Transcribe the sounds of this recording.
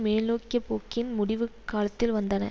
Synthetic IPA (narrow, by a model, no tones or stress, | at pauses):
meːnoːkɪjɐpːoːkːɪnmʊɽɪʋɯkːaːlɐt̪ːɪlʋɐnd̪ɐnɐ̰